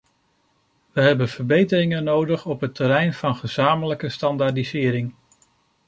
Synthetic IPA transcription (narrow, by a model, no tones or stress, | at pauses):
ʋəɦɛbənvəɹbejtərɪŋənowdəχɔpɦətəɾɛjnvɑnχəz̥aːmələkəstɑndaɹdizɪːɾɪŋ